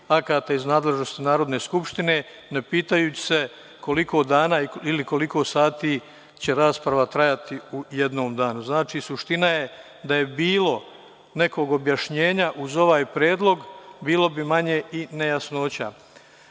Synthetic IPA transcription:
akaːt̪aiznaːd̪le̞ʒno̞st̪inaːɾod̪ne̞ːskupʃt̪ine̞ː | nepiːt̪ajuːt͡ɕi̥se̞ | ko̞liko̞ːd̪aːnaːiiliko̞liko̞ːsaːt̪iː | t͡ɕe̞ɾaːspɾaʋat̪ɾajat̪iujed̪no̞ːmd̪aːnuznaːt͡ʃisuʃt̪inaje̞ | d̪aje̞biːlˠo̞ | ne̞ko̞ːɡo̞bjaʃɲe̞ːɲaʔuzo̞ʋaːjpɾjeːd̪lˠo̞ɡbiːlˠo̞bimaɲe̞ine̞jasno̞ːt͡ɕa

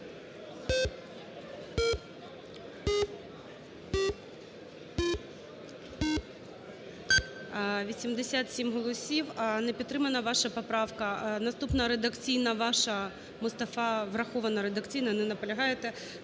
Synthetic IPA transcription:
ʋʲisʲimd̪esʲat̪sʲimɦɔlˠɔsʲiwnɛpʲid̪t̪ːɾɪmɐnɐʋɑʃɐpɔpɾɑʋkɐnɐst̪upnɐɾed̪ɐkt͡sʲijnɐʋɑʃɐ | mʊst̪ɐfɑʋrɐxɔʋɐnɐɾed̪ɐkt͡sʲijnɐnɛnɐpɔlʲɐɦɑjet̪ɛ

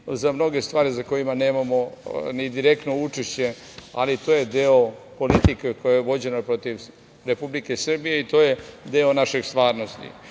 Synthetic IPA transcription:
zamno̞ɡe̞st̪ʋaːɾizako̞jimane̞ːmamo̞nid̪iɾe̞kt̪no̞ut͡ʃeʃt͡ɕe̞ | a̰lit̪o̞ːjed̪eopo̞lit̪ikeko̞jajeʋo̞d͡ʑe̞nopɾo̞t̪iʋ | ɾe̞publike̞sr̩bijeit̪o̞ːje̞d̪eonaʃeɡst̪ʋaːɾno̞st̪ḭ

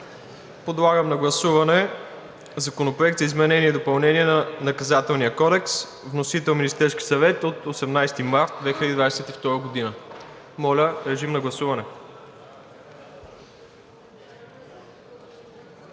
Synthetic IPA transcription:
pod̪lˠaɡəmnɐɡlˠɐsuvɐnɛ | zɐkonopɾoɛk̚t̪zɐizmɛnɛniɛd̪opɐlˠnɛniɛnɐnɐkɐzat̪ɛlˠnijəkɔd̪ɛks | vnosit̪ɛlˠminʲist̪ɛɾsk̟i̥sɐvɛt̪ot̪osɛmnajst̪imaɾt̪̚d̪vɛxilʲəd̪id̪vad̪ɛsɛt̪ift̪ɔɾəɡod̪inə | mɔlʲəɾɛʒimnɐɡlˠɐsuvɐnɛ

